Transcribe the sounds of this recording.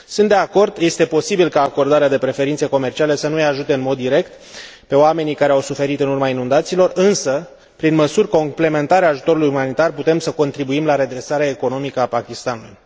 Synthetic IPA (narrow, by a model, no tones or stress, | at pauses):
sɨnt̪d̪e̞ako̞rd̪je̞st̪e̞po̞sibilkaːko̞rd̪aɾead̪e̞pɾe̞fe̞ɾint̪se̞ko̞me̞rt͡ʃiale̞sənujaʒut̪e̞ɨnmo̞d̪ːiɾe̞kt̪ | pe̞oame̞nikaɾeawsufe̞ɾit̪ɨnurmainund̪at̪siːlo̞rɨnsə | pɾinməsurʲko̞mple̞me̞nt̪aɾeaːʒut̪o̞ɾulujumanit̪arput̪e̞msəko̞nt̪ɾibuimlaɾe̞d̪ɾe̞saɾeaeko̞no̞mikəapakʲist̪anulṵj